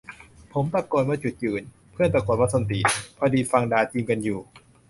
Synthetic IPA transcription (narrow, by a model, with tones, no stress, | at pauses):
pʰo˩˦mpɾa˧ko˨˩t̪̚waː˧t͡ɕu˨˩t̪̚jɯː˨˩n | pʰɯ˥˩ənpa˧ko˨˩t̪̚wa˧t̪so˧nt̪i˨˩pʰɔ˧diː˧fa˧ŋdaː˧t͡ɕi˧ŋka˧njuː˨˩